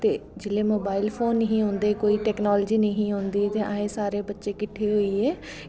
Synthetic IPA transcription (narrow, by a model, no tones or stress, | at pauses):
t̪eːd͡ʒɪleːmoːbaːɪlpʰoːnːəɦĩːɦõːnd̪eːkoːiːʈɛːknɔːld͡ʒiːnəɦĩːɦõːnd̪iːt̪eːʔãːẽːsaːɾeːbətːʃeːkɪʈʰːeːɦoːiːɛː